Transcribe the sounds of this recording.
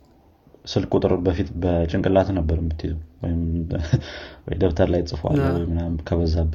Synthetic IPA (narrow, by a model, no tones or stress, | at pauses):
sɨlkʼut̪ʼɾobəfit̪bət͡ʃʼɨŋkʼɨlat̪nəbːəɾumbɨt̪ʰːit̪ʰuwɔjɪm | wɔ̰jd̪ɐβt̪ʰaɾlajt͡sʼɨfuʔa̰lːowɔjmɨnamkʰɐβəzaβ